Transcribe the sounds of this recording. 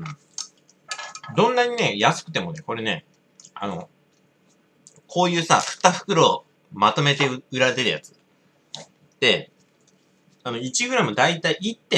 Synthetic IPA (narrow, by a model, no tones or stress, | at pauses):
ɯ̟̃ | d̪õ̞nːaɲ̟ine̞jasɨ̥kɯ̟t̪e̞mo̞ne̞ko̞ɾe̞ne̞̰ | a̰no̞̰ | kʰo̞ːjɯ̟ːsa̰ɸɯ̟̥t̪ːaɸɯ̟̥kɯ̟ɾo̞ | mat̪o̞me̞t̪e̞ɯ̟ɾad̪eɾɯja̰t͡sɨ̥ | d̪̥e̞ | ano̞it͡ɕiɡɯ̟ɾamɯ̟d̪ait̪aiit̪ːe